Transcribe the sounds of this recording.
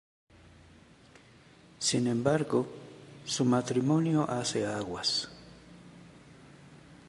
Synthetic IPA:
sinembaɾɡosumat̪ɾimonjoʔaseaɣwas

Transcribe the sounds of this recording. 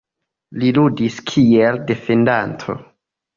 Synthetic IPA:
liludiskʰielde̞fe̞ndantʰo̞̰

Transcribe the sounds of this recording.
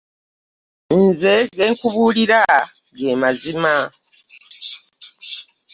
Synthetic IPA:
nzeɡeːŋkuβuːliɾa | ɡeːmazima

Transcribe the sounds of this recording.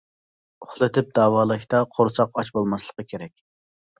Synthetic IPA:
ʊχlˠɨt̪ʰɪp̚d̪ɑːwɑːlˠɨʃʲt̪ɑqʰoɾsʰɑqɑt͡ʃbolˠmɑslˠə̥qəkʲʰeɾɛk̚ʲ

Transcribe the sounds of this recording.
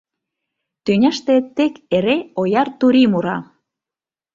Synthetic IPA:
t̪ynʲæʃt̪et̪ːekeɾeojɑrt̪uɾimuɾɑ̰

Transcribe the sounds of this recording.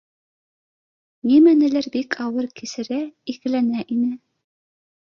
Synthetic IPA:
nimænɘ̆læɾbikʰɑwɤɾkisɘ̆ɾæikɘ̆lænæʔinɘ

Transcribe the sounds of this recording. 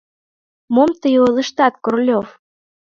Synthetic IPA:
momt̪əjolə̆ʃt̪ɑt̪korlʲof

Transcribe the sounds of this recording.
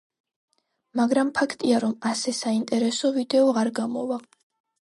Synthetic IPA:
maɡɾampʰakʰt̪ʼiaɾɔmasɛsaint̪ʼɛɾɛsɔvid̪ɛɔʁaɾɡamɔva

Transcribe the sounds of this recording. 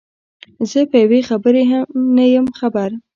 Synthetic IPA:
zəpəjawexabəɾeanajəmxabaɾ

